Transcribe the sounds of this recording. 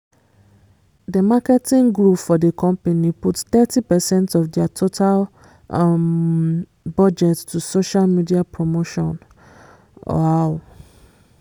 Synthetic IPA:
dəmakɛtĩŋɡɹupfɔdekʰɔ̃mpaniputθɛtipɛsɛ̃ntɔfdiatʰotʰal | m | bɔd͡ʒɛttʰusoʃalmidiapʰɹomoʃɔ̰̃n | ɔ̰al

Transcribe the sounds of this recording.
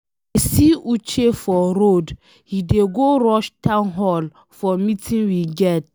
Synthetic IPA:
esiut͡ʃefɔɾod | hideɡoɾɔʃtãnɦɔl | fɔmitĩnwiɡɛt̚

